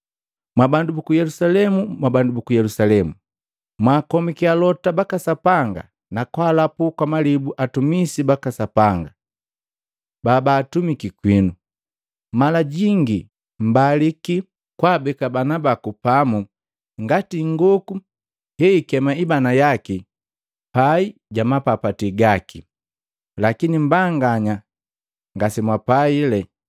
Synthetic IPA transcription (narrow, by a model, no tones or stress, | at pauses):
mwabandubukujɛlusalɛmumwabandubukujɛlusalɛmu | mwaːkɔmikialɔtabakasapaŋɡa̰ | nakwaːlapukwamalibuʔatumisibakasapaŋɡa | babaːtumikikwinu | malaɟiŋɡi | m̩baliki | kwaːbɛkabanabakupamu | ŋɡatiŋɡɔku | hɛikɛmaibanajaki | paiɟamapapatiɡaki | lakinim̩baŋɡaɲa | ŋɡasimwapailɛ